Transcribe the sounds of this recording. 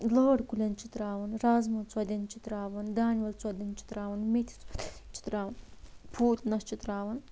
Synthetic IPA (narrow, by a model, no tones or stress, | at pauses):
loːɽkulʲɐnt͡ʃit̪ɾaːʋɐnɾaːzmɐt͡swɐd̪ʲɐnt͡ʃit̪ɾaːʋɐnd̪aːnʋɐlt͡swɐd̪ɐnt͡ʃi̥t̪ɾaːʋɐnmit̪ʲʰt͡ʃʰi̥t̪ɾaːʋɐnpʰuːt̪ʲnɐst͡ʃit̪ɾaːʋɐn